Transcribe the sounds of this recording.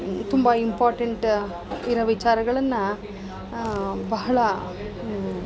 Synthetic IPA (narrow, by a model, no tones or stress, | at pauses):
t̪umbɐimpaːɾʈɐɳʈ | iɾɐʋit͡ʃaːɾɐɡɐɭɐnːɐ | bɐɦɐɭɐ